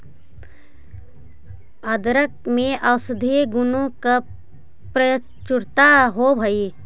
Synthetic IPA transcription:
əd̪ɾək̚mẽʔəwsɪd̪ʱeɡʊnõka | pɾə | t͡ʃʊɾt̪aɦobʱəi

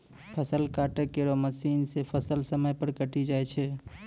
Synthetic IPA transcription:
pʰəsəlkaʈekeɾoməsinsepʰəsəlsəməjpəɾkəʈid͡ʒajt͡ʃʰɛ

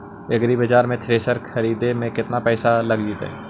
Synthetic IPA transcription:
ɐɡɾibəd͡ʒaːɾmẽt̪ʰɾeːsəɾkʰɐɾiːd̪emẽkɪt̪napɛːsalɐɡd͡ʒiːt̪ɦɛ̰ː

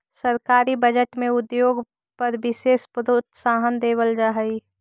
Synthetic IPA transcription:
səɾkaːɾibəd͡ʒəʈmẽʊd̪joːɡ | pəɾbɪseːspɾot̪saːɦənd̪eːʋəld͡ʒaɦəi

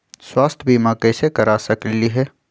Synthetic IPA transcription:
swaːst̪ʰbʱiːmãkɛːsekəɾasəkliɦɛː

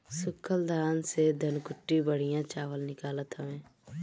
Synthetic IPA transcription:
sʊkʰːəld̪ʱaːnsed̪ʱənkʊʈːibəɽ̤ijãt͡ʃaːʋəlnɪkaːlət̪ɦəʋẽː

